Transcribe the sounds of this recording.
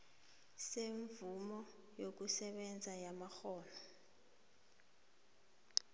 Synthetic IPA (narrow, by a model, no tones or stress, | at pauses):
seɱvumɔ | jok̬usɛɓɛnd͡zʱajamaxɔːlɔ